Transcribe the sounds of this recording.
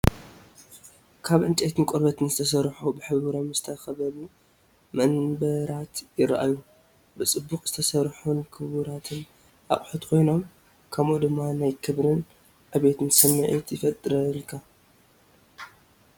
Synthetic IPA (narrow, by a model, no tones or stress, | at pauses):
kʰaβʔɨnt͡ʃʼet̪ʰɨnkʼɔɾbɐt̪ʰɨnzɨt̪ʰɐs̬ɐɾħubɨħɨββɾomzɨt̪ʰɐxɐβɐlu | mɐnbɐɾat̪jɪɾʔa̰ju | bɨt͡sʼɨbːukʼzɨt̪ʰɐsɐɾħunkʰɨβuɾat̪ʰɨn | ʔa̰kʼħut̪kʰo̞jno̞m | kʰɐmʔud̪ɨmːanajkʰɨβɾɨn | ʔaβe̞t̪ʰɨnsɨmːɨʕḭt̪jɪfɐt̪ʼɨɾɐlkʰa